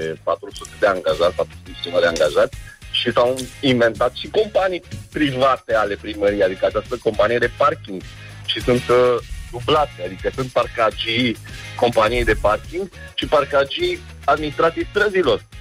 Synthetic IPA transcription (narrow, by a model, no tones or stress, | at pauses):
epat̪ɾusut̪e̞d̪eaŋɡaʒarpat̪ɾusut̪t͡ʃinad̪eaŋɡaʒat̪sʲʃisawiɱve̞nt̪at̪ʃiko̞mpanijpɾivat̪eale̞pɾiməɾijead̪ikəat͡ʃast̪əko̞mpanije̞d̪e̞parkʲiŋɡ | ʃisunt̪d̪ublat̪sead̪ikəsunt̪̚parkad͡ʒi | ko̞mpanijejd̪e̞parkʲiŋɡ | t͡ʃiparkad͡ʒij | ad̪minist̪ɾat̪ivt̪ɾəzilo̞r